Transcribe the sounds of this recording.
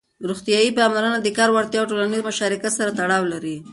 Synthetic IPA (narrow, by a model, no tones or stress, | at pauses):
ɾuxt̪ijɑjipamlaɾənad̪əkɑɾwaɾt̪jɑwʈolanizmʊʃɑɾɪkat̪saɾat̪aɽɑwlaɾi